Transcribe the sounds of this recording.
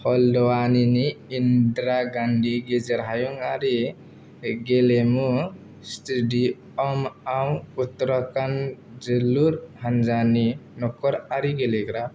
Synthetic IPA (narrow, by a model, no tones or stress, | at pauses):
hɔld̪ɔwaniniːnd̪ɾaɡanɖiɡed͡ʒəɾɦajuŋaɾi | ɡelemu | stiɖi | ɔmawut̪ɾɔkan | d͡ʒelːuɾɦand͡ʒaninɔkɔɾaɾiɡeleɡɾa